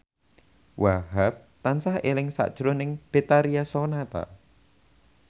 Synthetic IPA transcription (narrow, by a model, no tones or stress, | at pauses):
wʔaɦap̚t̪ansaɦelɪŋsa̰ʔd̥ʒ̥ɾʊnɪŋb̥et̪aɾiasonat̪a̰